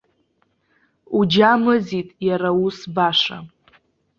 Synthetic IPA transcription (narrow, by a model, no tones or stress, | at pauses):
ud͡ʒamɨzitʼjaɾausbaʂa̰